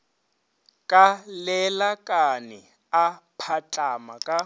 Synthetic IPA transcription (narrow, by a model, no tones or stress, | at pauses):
kʼalɛlakʼanɛ | apʰat͡ɬʼama̰kʼa